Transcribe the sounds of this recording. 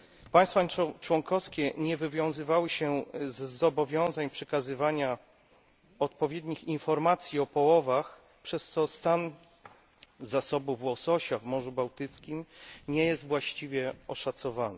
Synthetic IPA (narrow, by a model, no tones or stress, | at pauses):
paj̃st̪fat͡ʂwɔŋkɔfskʲɛɲɛvɘvʲjɔ̃w̃zɘvawɘɕɛzːɔbɔvʲjɔ̃w̃zaɲpʂɛkazɘvaɲa | ɔt̪̚pɔvʲjɛd̪ɲixinfɔɾmat̪sʲjiɔpɔwɔvax | pʂɛst̪sɔst̪an | zasɔbuvwɔsɔɕavmɔʐubawt̪ɘt̪skʲimɲɛjɛst̪vwaɕt͡ɕivʲjɛɔʂat̪sɔvanɛ